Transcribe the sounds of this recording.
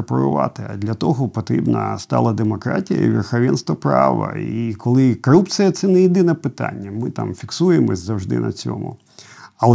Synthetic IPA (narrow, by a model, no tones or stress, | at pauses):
pɔɾʊʋɑt̪ɪɐd̪lʲɐt̪ɔɦɔpɔt̪ɾʲibnɐst̪ɑlˠɐd̪emɔkɾatʲijɐ̰iʋʲerxɐʋʲɛnst̪ʋɐpɾɑʋɐ̰ikʰɔlˠɪkɔɾupt͡sʲijɐt̪sɛnɛjid̪ɪnɛpɪt̪anʲːɐmɪt̪ɑmfʲiksujemɔsʲzɐwʒd̪ɪ̰nɐ̰t͡sʲɔmʊ | ɐlˠ